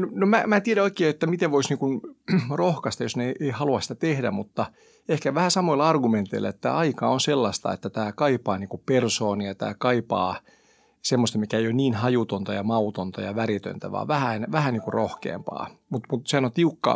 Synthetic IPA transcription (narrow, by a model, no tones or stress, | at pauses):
nonomæmæːt̪ieɾæoikeːet̪ːæmit̪eʋʋoisniːŋkunrohkɑst̪ɑjosneeiʔeihɑluɑsĭ̥t̪æt̪ehdæ̰mut̪ːɑ | ehkæʋæhæsɑmoilːɑrɡument̪eilːḛet̪ːæ̰ɑikɑonselːɑst̪ɑ̰ḛt̪ːæt̪æːkɑipɑːniːŋkupersoːnijɑt̪æ̰ːkɑipɑ̰ː | semːost̪ɑmikæejonniːnhɑjut̪ont̪ɑjɑmɑut̪ont̪ɑjɑʋærit̪ø̰nt̪æʋɑ̰ːʋʋæhænʋæhæniːŋkurrohkḛːmpɑ̰ːmut̪mut̪sehænot̪iukːɑ̰ː